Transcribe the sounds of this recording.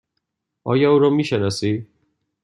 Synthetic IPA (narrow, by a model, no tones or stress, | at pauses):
ɒ̰ːjɒuːɾɒmiʃenɒsi